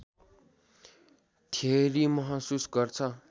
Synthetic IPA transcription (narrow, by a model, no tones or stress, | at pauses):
t̪ʰeɾimʌɦʌsusɡʌrt͡sʰʌ